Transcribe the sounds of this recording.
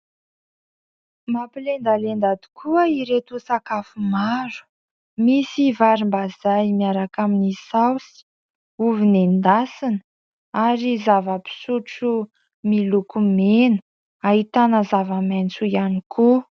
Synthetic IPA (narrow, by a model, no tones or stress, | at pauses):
mapilend̪alend̪ad̪i̥kʰuəiɾet̪usakafumaɾu̥ | misivaɾimbaz̥ajmiaɾakaminisawsi̥ | uvinend̪asinə | aɾizavəpi̥suʈ͡ʂu | milukumenə | aɦit̪anəzavəment͡sujanikʰu